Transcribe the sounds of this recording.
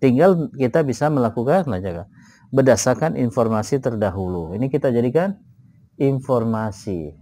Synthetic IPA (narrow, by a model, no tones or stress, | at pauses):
t̪iŋɡalkit̪abisaməlakukanlad͡ʒaka | bədasakanʔḭnfɔrmasit̪ərdaɦuluinikit̪ad͡ʒadikan | infɔrmasḭ